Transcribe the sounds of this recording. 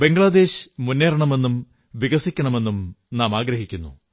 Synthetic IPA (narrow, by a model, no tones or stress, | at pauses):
be̞ŋɡɭɐd̪e̞ːɕmunːeːɾɐɳɐme̞nːum | ʋiɡɐsikʲːɐɳɐme̞nːumnaːmaːɡɾɐɦikʲːunːṵ